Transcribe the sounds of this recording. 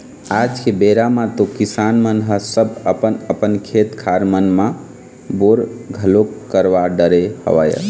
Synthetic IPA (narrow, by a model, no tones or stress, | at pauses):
ad͡ʒkebeɾamãt̪okisanmənɦəsəbəpənəpənkʰet̪kʰaɾmənmã | boɾɡʱəlokkːəɾʋaɖəɾehə̰ʋə̰jə̰